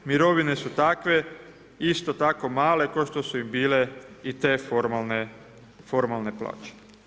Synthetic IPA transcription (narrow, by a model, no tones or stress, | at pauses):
miɾo̞ʋine̞sut̪akʋe̞ | ist̪o̞t̪ako̞maːle̞koʃt̪osuimbiːle̞it̪e̞ːfoɾmalne | fo̞ɾmalˠne̞pla̰ːt͡ʃe̥